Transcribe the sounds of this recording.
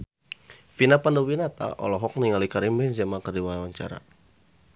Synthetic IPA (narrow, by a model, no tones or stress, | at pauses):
finapandowinat̪a̰ʔɔ̰lɔɦɔk̚niŋalikaɾimbɛnzamakərdiwaɦawaɲt͡ʃa̰ɾa̰